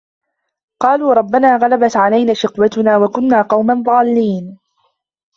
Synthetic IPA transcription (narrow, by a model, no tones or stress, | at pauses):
qɑːluːɾˤɑbːanaːɣalabat̪ʕalajnaːʃɪqwat̪ʊnaːwakʊnːaːqɑwmanðˤɑːlːiːn